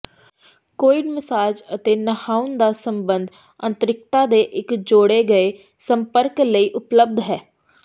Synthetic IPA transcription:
koːɪɖməsaːd͡ʒət̪eːnəhaːund̪aːsəmbənd̪ | ə̰nt̪əɾɪkt̪aːd̪eːʔɪkd͡ʒoːɽeːɡəeː | səmpəɾkləiːʔʊpləb̚d̪ɦɛː

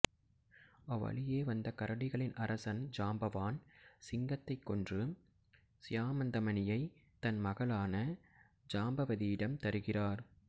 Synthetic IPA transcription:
ɐʋːɐ̰ɭɪjeːʋɐnd̪ɐkɐɾɐɽɪɣɐɭɪnʔɐɾɐsɐnd͡ʒaːmbɐʋaːnsɪŋɡɐt̪ːɐɪkːɔndrɯ | sɪjaːmɐnd̪ɐmɐnɪjɐɪt̪ɐnmɐɣɐɭaːnɐ | d͡ʒaːmbɐʋɐðɪjɪɽɐmt̪ɐɾɯɣɪraːɾ

